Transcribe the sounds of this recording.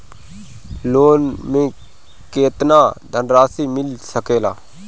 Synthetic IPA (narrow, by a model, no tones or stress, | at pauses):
loːnmẽː | keːt̪nãːd̪ʱənɾaːsiːmɪlsəkeːlaː